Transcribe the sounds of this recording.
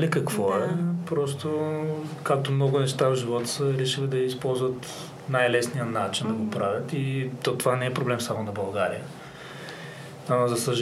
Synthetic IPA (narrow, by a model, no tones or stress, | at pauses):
likɐkvɔɛpɾɔs̬t̪okak̚t̪omnɔɡʊnɛʃt̪avʒivɔt̪ə̥səɾɛʃilid̪ɐispɔlˠzvət̪ | najlɛsnijənat͡ʃind̪ɐɡopɾavʲjət̪it̪ot̪ovanɛɛpɾoblɛmsamonɐbɐlˠɡaɾḭjə | amzɐsəʒ